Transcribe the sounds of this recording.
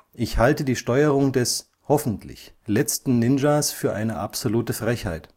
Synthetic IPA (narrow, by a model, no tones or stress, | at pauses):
ʔɪçhaltədiːʃtɔʏəʁʊŋdɛs | hɔfn̩tʰlɪ̰çlɛt͡stn̩nɪnd͡ʒasfyːɐʔaɪnəʔa̰pz̥oluːtəfʁ̥ɛçha̰ɪt